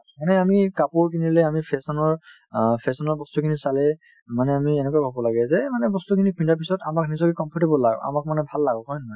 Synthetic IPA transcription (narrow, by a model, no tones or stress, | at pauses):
manɛamikapuɹkʰinilɛamipʰɛsɔnɔɹ | pʰɛsɔnɔɹbɔstukʰinisalɛ | manɛamiɛnɛkuabʱabɔlaɡɛzɛmanɛbɔstukʰinipʰindaɹpisɔtamak̚nizɔkikɔmpʰɔɹtebɔlːaɡ̰a̰mak̚manɛbʱalːaɡɔkɔjnɔɦaj